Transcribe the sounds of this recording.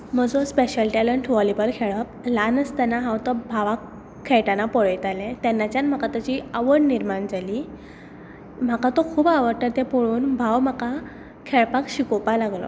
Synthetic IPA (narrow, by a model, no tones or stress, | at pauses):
m̤əd͡zɔspeɕəlʈɛləɳʈʋɔlibəlkʰeɭəp̚lanəst̪anaɦãwt̪ɔbʱaʋakʰː | ɛjʈanapɔɭəjt̪alɛ̃t̪ɛnːat͡ɕjanm̤akat̪at͡ɕiaʋəɽniɾmand͡zali | m̤akat̪ɔkʰuːbaʋəɾt̪əɾt̪ɛpɔɭuːnbʱawm̤aka | kʰeɭpakɕikɔpalaɡlɔ̰